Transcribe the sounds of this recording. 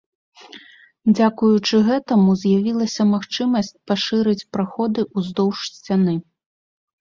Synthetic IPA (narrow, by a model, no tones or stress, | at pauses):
d͡zʲakujut͡ʂɨɣɛt̪ɐmuzʲjavʲilˠɐsʲɐmaxt͡ʂɨmɐsʲt͡sʲpaʂɨɾɨt͡sʲpɾaxɔd̪ɨʔuzd̪ɔwʂsʲt͡sʲanɨ